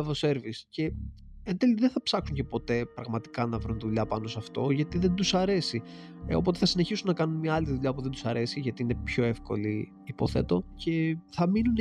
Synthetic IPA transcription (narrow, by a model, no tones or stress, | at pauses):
vose̞ɾvisce̞ | end̪eliðenθɐpsɐksuɲce̞po̞t̪e̞pɾɐɣmɐt̪i̥kɐnɐvɾunt̪iðuʎɐpɐno̞sɐft̪o̞ʝɐt̪iðe̞nd̪usɐɾe̞si | o̰po̞t̪e̞θɐsine̞çisunːɐkɐnunmɲɐɐliðuʎɐpuðed̪usɐɾe̞siʝɐt̪iine̞pço̞e̞fko̞̰li | ipo̞θe̞t̪o̞ce̞θɐminun